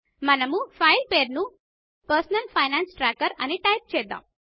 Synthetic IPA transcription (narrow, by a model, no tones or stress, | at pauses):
manamuːfailpeɾnuː | pəɾsənəlfajnansʈɾakəɾaniʈajp̚t͡ɕed̪ã̰